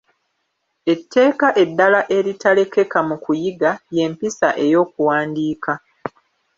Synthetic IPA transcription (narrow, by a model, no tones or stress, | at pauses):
e̞tːe̞ːkaʔe̞dːalaʔe̞ɾitale̞ke̞kamukujiɡaje̞mpisaʔe̞jo̞ːkuwaːndiːka